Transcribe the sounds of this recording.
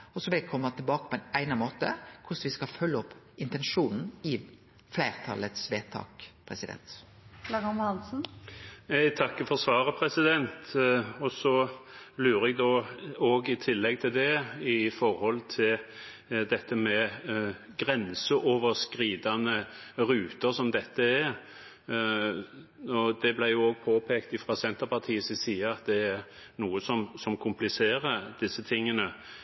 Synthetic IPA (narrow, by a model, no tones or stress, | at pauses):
ɔsɔʋɪlɛkʰɔmːət̪ʰɪlbɑːkə̥pʰɔɛnæɪnɑnmoːt̪ə̰kʰʊsʋɪskɑfœlːəɔpː | ɪnt̪ɛnʂuːnn̩ɪ | flæɪʁt̪ʰɑ̰lət̪sʋeːt̪ʰɑ̰ːkpʰʁɛsɪd̪ɛ̰nt̪ | lɑʁɑnɑnsn̩jæɪt̪ʰɑkːəfɔʁsʋɑːʁəpʰʁɛsɪd̪ɛnt̪ɔsɔlʉːɾɛɡd̪oːoːɡɪt̪ʰɪlːɛɡ̚t̪ʰɪld̪ɛɪfɔɾhɔlt̪ʰɪl | d̪ɛt̪ːəmɛ | ɡɾɛnsəʔoːʋəskɾiːd̪ɑnəɾʉːt̪əsɔmd̪ɛt̪ːəæ | ɔd̪ɛblæɪjʊoːɡ̚pʰoːpʰeːkt̪ɪfɾɑsɛnt̪əpɑɾt̪ʰiːəsɪsiːɑɑt̪̚d̪ɛæɾ | nuːəsɔmsɔmkʰʊmplɪseːɾəd̪̥ɪsːət̪ʰɪŋːənə